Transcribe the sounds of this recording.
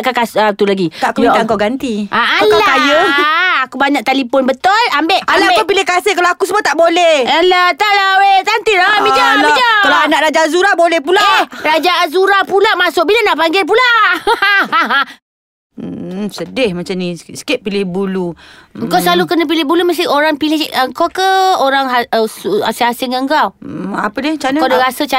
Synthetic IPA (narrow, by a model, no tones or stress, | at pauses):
ʔkakasət̪ulaɡiaʔkubit̪aŋkawɡant̪iaalkakajəakubaɲak̚t̪alipɔnbət̪olambeʔalapʊnpilɪhkasɪhkalawakus̬əmuot̪aʔbolɛhalat̪aʔlawet̪ant̪iɾaamid͡ʒaid͡ʒakalaanaʔɾad͡ʒazuɾabolɛhpulahrad͡ʒaːzuɾapulamasʊk̚bilanaʔpaŋɡɪlp̬ulaaaa | sədɪhmat͡ʃamnĩsə̥keʔ̚pilɪhbuluəŋkawsəlalukənəp̬ilɪhbuluməs̬t̪ioɾaŋpilɪhəŋkawkəoɾaŋɦaəsuasɪhasɪŋəŋɡawma̰pədɪt͡ʃanakawdaɾasət͡ʃa